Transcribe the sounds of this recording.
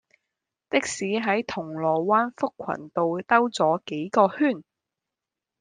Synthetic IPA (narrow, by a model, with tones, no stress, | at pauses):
t̪ɪ˥k̚siː˨˥ɦɐ˨˥jt̪ʰʊ˨˩ŋlɔː˨˩waː˥nfʊ˥kʷʰːɐ̰˨˩nt̪o˨wt̪ɐ˥wt͡sɔː˨˥ke˨˥jkɔː˧hyː˥˩n